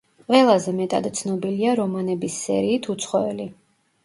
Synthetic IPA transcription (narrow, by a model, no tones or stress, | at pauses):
qʼwɛlˠazɛmɛt̪ʼad̪t̪sʰnɔbiliaɾɔmanɛbisːɛ̰ɾiːt̪ʰut̪sʰχɔɛli